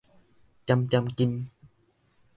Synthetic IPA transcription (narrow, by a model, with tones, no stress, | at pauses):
t͡ɕa˧mt͡ɕa˧mki˧m